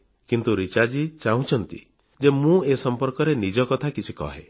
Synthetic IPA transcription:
kint̪uɾit͡ʃad͡ʒit͡ʃaũt͡ʃʰɔnt̪ḭ | d͡ʒemũesɔmpɔɾkɔɾenid͡ʒɔkɔt̪ʰakit͡ʃʰikɔ̰ɦe

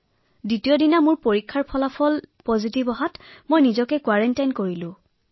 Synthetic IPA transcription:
ditijɔdinamʊɹpoɹikʰːaɹpʰɔlapʰɔlpɔzitibɔɦatmojnizɔkɛkwaɹɛntajnkoɹilʊ̃

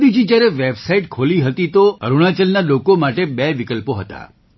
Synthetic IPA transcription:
d̪id͡ʒid͡ʒjaɾɛʋebsaiʈkʰoliɦət̪it̪oə̰ɾuɽ̃at͡ʃəlnalokomaʈebeʋikəlpoɦət̪a̰

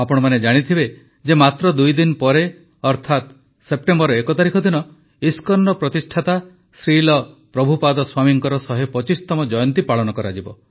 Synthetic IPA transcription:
apɔɽ̃ɔmaned͡ʒaɽ̃it̪ʰibe | d͡ʒemat̪ɾɔd̪ujd̪inpɔɾe | ɔɾt̪ʰat̪ | sep̚ʈembɔɾɔekɔt̪aɾikʰɔd̪ʱinɔ | iskɔɾnɖɔpɾɔt̪isʈʰat̪a | sɾilɔpɾɔbʱupad̪ɔswamiŋkɔɾɔsɔɦepɔt͡ʃist̪ɔmɔd͡ʒɔjɔnt̪ipaɭɔnɔkɔɾad͡ʒibɔ

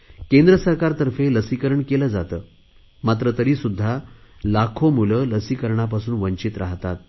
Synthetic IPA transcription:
kend̪ɾəsəɾkaɾt̪əɾfeləsikəɾəɳkeləːd͡zat̪əː | mat̪ɾət̪əɾiːsud̪ʱːalakʰomulələsiːkəɾɳap̬asuːnʋəɲt͡ɕiːt̪ɾaɦt̪at̪̚

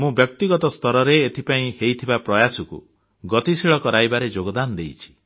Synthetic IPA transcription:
mũbjɔk̚t̪iɡɔt̪ɔst̪ɔɾɔɾeːt̪ʰipaĩhejt̪ʰibapɾɔjasɔkṵ | ɡɔt̪isiɭɔkɔɾajbaɾed͡ʒoɡɔd̪anɔd̪ejt͡ʃʰi̥

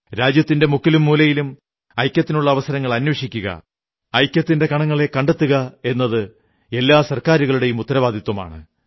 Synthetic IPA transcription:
ɾaːd͡ʑjɐt̪ːinde̞mukːilumːuːlɐjilum | ɐjkʲːɐt̪ːinuɭːɐːʋɐsɐɾɐŋːɐɭɐnwɐʂikʲːuɣɐ̰ | ɐjkʲjɐt̪ːinde̞kɐɳɐŋːɐɭe̞kːɐɳɖet̪ːuɣɐe̞nːɐðɨ | e̞lːaːsɐrkaːɾuɣɐɭuɽe̞jumut̪ːɐɾɐʋaːd̪ʱit̪wɐma̰ːɳɨ

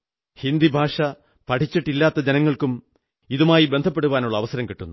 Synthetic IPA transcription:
hind̪ibʱaːʂɐ | pɐʈʰit͡ɕːiʈːilːaːt̪ːɐd͡ʑenɐŋːɐɭkum | iðumaːjibend̪ʱɐp̬ːe̞ɽuʋaːnuɭːɐːʋɐsɐɾɐmkiʈːunːu

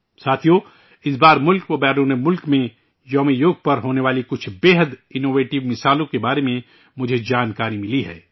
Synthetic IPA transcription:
saːt̪ʰijo | ɪs̬baːɾmʊlkpobɛːɾõnemʊlkmẽ | jɔːmijoːɡ̚pɐɾɦoːneʋaːlikʊt͡ʃʰbeːɦəd̪ɪnoːʋeːʈɪʋmɪsaːlõkebaːɾemẽ | mʊd͡ʒʱed͡ʒaːnkaːɾimɪliɦɛ̰ː

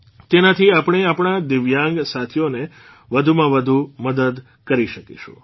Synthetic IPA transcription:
t̪enat̪ʰiapɳ̃eapɳ̃ad̪ɪʋjãŋɡsat̪ʰijone | ʋəd̪ʱumãʋəd̪ʱuməd̪əd̪ | kəɾiʃəkḭʃṵ̃

